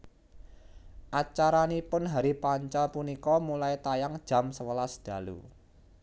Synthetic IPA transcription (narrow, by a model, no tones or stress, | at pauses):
ʔat͡ʃaɾanipʊnɦaɾipaɲt͡ʃɔlpunikɔmulait̪ajaŋd̥ʒ̥a̤msəwəlasd̪̥ä̤lṵ